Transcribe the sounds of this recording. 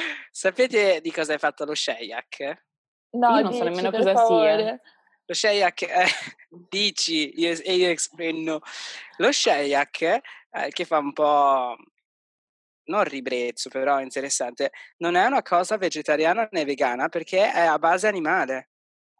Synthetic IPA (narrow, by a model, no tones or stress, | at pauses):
sapeːt̪ed̪ikɔːzaajfat̪ːaloʃɛja̰k | ninõnsɔnemːenokɔzaaiɾe | loʃɛjakːɛ | d̪iːt͡ʃiioeiːoekspɛnːoloʃɛjakʰɛ̰k̟efːaumpɔ | norːibɾet̪sːopeɾɔint̪eɾesːant̪enonɛunakʰɔːzaved͡ʒet̪aɾjaːnaneveɡaːnaperk̟eʔɛabːaːzeanimaːle